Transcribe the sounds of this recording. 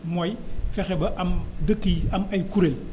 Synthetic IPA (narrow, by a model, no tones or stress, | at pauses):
mɔjfɛxɛbɐʔamdəkːiɐmɐjkuɾel